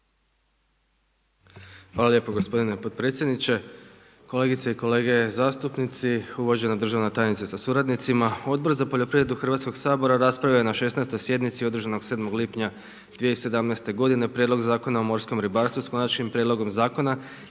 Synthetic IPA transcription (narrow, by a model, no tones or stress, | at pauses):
xʋaːlaljepo̞ɡospo̞d̪ine̞pot̪̚pɾet̪sjed̪nit͡ɕe | ko̞le̞ːɡit̪seiko̞leːɡe̞zaːst̪upnit̪siuʋoʒenad̪r̩ʒaʋnet̪aːjenit̪sesasuɾad̪nit̪simao̞d̪̚bo̞ɾzapo̞ʎo̞pɾiʋɾe̞d̪uxrʋaːt̪sko̞ɡsaːbo̞ɾaɾaspɾajajenaʃe̞snajst̪o̞jsje̞d̪nit̪sio̞d̪ɾ̩ʒano̞ɡsed̪mo̞ɡlipɲa | d̪ʋijeise̞d̪amnajst̪e̞ɡo̞d̪ine̞pɾʲjed̪lo̞ɡzaːko̞nao̞mo̞ɾsko̞mɾibaɾst̪ʋuskanat͡ʃnimpɾjed̪lo̞ɡo̞mzaːko̞na